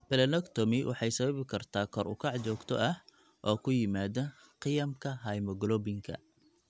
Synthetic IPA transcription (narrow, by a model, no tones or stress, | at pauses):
bɛlɛnɔkt̪ʰɔmɪwʔɑ̰ħɑjsɐβɐβɪkʰɐrt̪ʰaːkʰɔrʊ̰kʰɑʕt͡ʃɔːɡt̪ʰɔ̰ʔɐh | ʔɔːkʰʊjɪmaːðɐ | qɪjɐmkʰɐɦɐjmɔɡlɔbɪŋkʰɐ̰